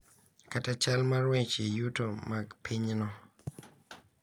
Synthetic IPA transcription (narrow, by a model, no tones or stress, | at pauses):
katat͡ʃalmaɾwẽt͡ʃejutomaɡpʰiɲnɔ